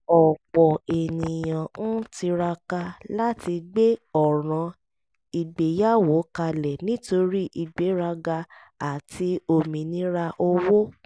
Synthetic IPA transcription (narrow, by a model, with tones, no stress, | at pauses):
ɔ˨k͡pɔ˨e˨nĩ˨jã˨n̩˦ti˧ɾa˧ka˧la˦ti˧ɡ͡be˦ɔ˨ɾ̃ã˨˧ | i˧ɡ͡be˨ja˦wo˨˦ka˧lɛ˨nĩ˨˦to˧ɾi˦ʔi˧ɡ͡be˨˦ɾa˧ɡa˧ | a˨ti˨˦o˧mĩ˨nĩ˦ɾa˧ʔo˧wo˦